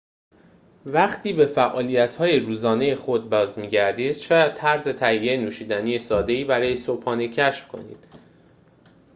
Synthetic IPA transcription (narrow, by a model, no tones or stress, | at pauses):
væχt̪ʰiːbe̞fæʔɒːliːjæt̪ʰhɒːje̞ɾuːzɒːne̞je̞xo̞d̪̚bɒːzmiːɟæɾd̪iːd̪̥ʃɛjæd̪̥̚t̪ʰæɾze̞t̪ʰæhijenuːʃiːd̪æniːje̞sɒːd̪e̞iːbæɾɒːjesopʰhɒːnecʰæʃfkʰo̞̰nḭːd̪̥